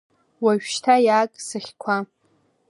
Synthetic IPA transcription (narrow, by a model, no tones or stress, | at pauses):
waʒᶣʃtʰajaːkʼsɨχʲkʷʰa